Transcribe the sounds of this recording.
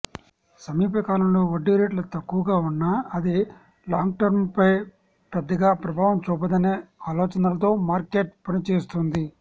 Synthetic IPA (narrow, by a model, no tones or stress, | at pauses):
sɐmiːpɐkaːlɐmlo̞ːʋɐɖːiɾeːʈlɐt̪ɐkːuʋɐɡaːunːaːɐd̪i | laːŋɡ̚ʈɐɾmpɐj | pɐd̪ːɐɡaːpɾɐbʱaːʋɐmt͡ʃuːpɐd̪ɐneːaːloːt͡ʃɐnɐlɐt̪̬o̞ːmaːɾkeːʈ̚pɐnit͡ʃeːst̪und̪i